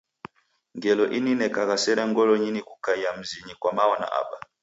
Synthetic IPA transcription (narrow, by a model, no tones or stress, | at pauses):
ŋɡɛlɔʔininɛkaɣasɛɾɛŋɡɔlɔɲinikukaijam̩ziɲikwamawɔna̰ʔa̰ɓa